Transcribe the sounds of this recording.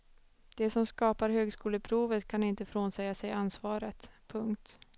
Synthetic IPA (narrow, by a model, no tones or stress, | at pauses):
d̪̥ɛsɔmskɑːpaɾɦøːɡskuːləpʰɾuːvət̪kʰanɪnt̪əfɾoːnsɛjːasɛjansvɑːɾət̪pʰɵŋkt̪